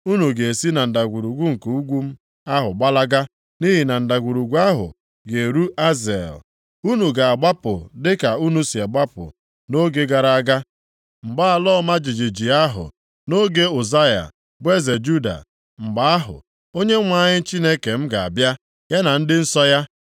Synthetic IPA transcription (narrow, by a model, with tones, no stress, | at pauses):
u˦nu˨ɡe˨e˨si˦na˨n̩˨da˨ɡʷu˨ɾu˨ɡʷu˦ŋ̩˨ku˨u˦ɡʷu˦m̩˦ | a˦ɦʊ̰˨ɡ͡ba˦la˦ɡa˦ | ni˦ɦi˨na˨n̩˨da˨ɡʷu˨ɾu˨ɡʷu˦a˦ɦʊ̰˨ | ɡe˨ɾu˦ʔa˦ze˨l | u˦nu˨ɡa˨a˨ɡ͡ba˦pʊ̰˨dɪ˦ka˨u˦nu˨˦si˨a˨ɡ͡ba˦pʊ̰˨ | no˦ɡe˦ɡa˨ɾa˦a˦ɡa˦ | ŋ͡m̩˨ɡ͡ba˦a˨lɔ˦ma˦d͡ʒi˨d͡ʒi˨d͡ʒi˨a˦ɦʊ̰˨ | no˦ɡe˦o˨za˦ja̰˨ | bʷe˦ze˨d͡ʒu˦da̰˨ | ŋ͡m̩˨ɡ͡ba˨a˦ɦʊ̰˨ | o˦ɲe˦ŋʷa˦˨ɲɪ˦n̩˦t͡ʃi˦ne˦ke˨m̩˦ɡa˨a̰˨bja˦ | ja˦na˨n̩˦dɪ˦n̩˦sɔ˦ja˦